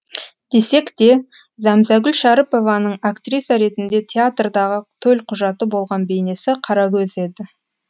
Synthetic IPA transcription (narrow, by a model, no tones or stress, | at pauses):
d̪̥e̞se̞kt̪e̞ | zɑmzɑɡʲʏlʃɑɾəpo̞vɑnəɴakt̪rijsɑɾe̞t̪ɪnd̪e̞t̪ʲʰeat̪rd̪ɑʁət̪ʰɵlʲqʰʊʒɑt̪əbo̞lˠʁɑnbe̞jne̞sɪqʰɑɾɑkʲʰɵze̞d̪ɪ